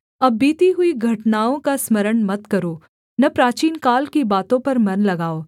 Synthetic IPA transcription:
ɐbːiːt̪iɦʊiɡʱɐʈnaːõkasmɐɾəɽmɐt̪kɐɾoː | nɐpɾaːt͡ʃiːnkaːlkibaːt̪õpɐɾmɐnlɐɡaːoː

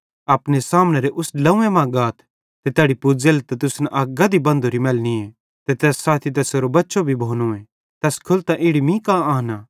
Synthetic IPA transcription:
aːpnesaːmnɛɾeʔʊslɐ̃ũẽmãɡaːt̪ʰ | t̪et̪ɛːɽipʊd͡zelt̪ɛt̪ʊsnʔɐːɡad̪ibɐ̃nd̪oɾimɛːlnie | t̪et̪ɛːsːaːt̪ʰit̪̬ɛːseːɾobɐtːʃobʱibʱoːnõːẽ | t̪ɛːskʰʊlt̪ãʔɪːɽimĩkãaːnaː

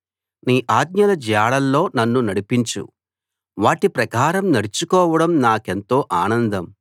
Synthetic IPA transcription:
niːʔaːd̪̚ɲɐlɐd͡ʒjaːɽɐlːo̞ːnɐnːunɐɽipiɲt͡ʃṵ | ʋaːʈipɾɐkaːɾɐmnɐɽut͡ʃukɔːʋɐɽɐmnaːke̞nt̪o̞ːʔaːnɐnd̪ɐm

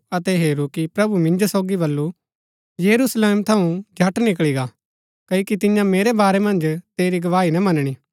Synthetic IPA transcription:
ɐt̪ɛɦeːɾukipɾɐbumɪ̃nd͡ʒosoːɡibɐlːu | jɐɾuːsleːmt̪ʰɐũd͡ʒʱɐʈnɪkɭiɡaː | kɐkit̪ɪjãmeːɾebaːɾemɐ̃nd͡ʒt̪eːɾiɡɐʋaːinɐmɐnɽ̃iː

